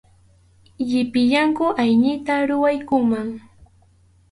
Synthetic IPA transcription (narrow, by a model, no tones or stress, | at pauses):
jɪpɪʎaŋkʊʔajɲɪt̪aɾʊwajkʊmaŋ